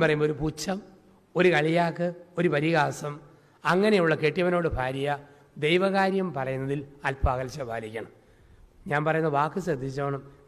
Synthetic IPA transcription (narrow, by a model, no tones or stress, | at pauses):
pɐrɐjumo̞ɾuput͡ɕːɐm | o̞ɾukɐɭijaːkːɨo̞ɾupɐɾiɣaːsɐm | ɐŋːɐnejuɭːɐkeʈːjɐʋɐno̞ːɽɨbʱaːɾijɐ | d̪ejʋɐɣaːɾjɐmpɐrɐjunːɐðilɐlpaːɣɐlt͡ɕːɐbʱaːlikʲːɐɳɐm | ɲaːnpɐrɐjunːɐʋaːkːɨɕɾɐd̪ʱːit͡ɕːɐeːɳɐm